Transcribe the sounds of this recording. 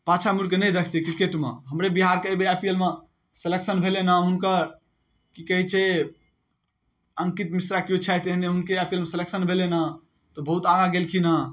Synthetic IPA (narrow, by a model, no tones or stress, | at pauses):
pat͡ʃʰamuɾkenəd̪ekʰt̪ikɾikeʈmḛɦəmɾebiɦaɾkəbeəpiəlme | seleksənbʱelenaɦunkəɾ | kikəɦit͡ʃʰe | əŋkit̪misɾakijot͡ʃʰɛt̪eɦneɦunkeəpijəlmeseleksənbʱelena | t̪ɔbəɦut̪aɡaɡelkʰina